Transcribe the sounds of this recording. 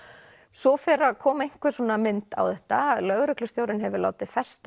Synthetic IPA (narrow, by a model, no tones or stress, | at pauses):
sɔfɛɾaðkʰɔːmaeŋ̥kvɪ̥sɔːnamɪnt̪a̰wθɛht̪alœɣɾʏklʏst̪jowɾɪnɦɛvʏla̰ːwt̪ɪfɛst̪